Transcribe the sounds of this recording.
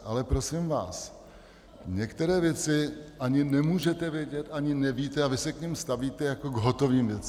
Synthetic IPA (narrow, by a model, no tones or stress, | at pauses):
ʔalɛpɾo̞sɪmva̰ːs | ɲɛkt̪ɛɾɛːvjɛt͡sɪʔaɲɪnɛmuːʒɛt̪ɛvjɛɟɛt̪ʔaɲɪnɛviːt̪ɛavɪsɛkɲɛmst̪aviːt̪ɛjakoɡɦot̪o̞viːmvjɛt͡s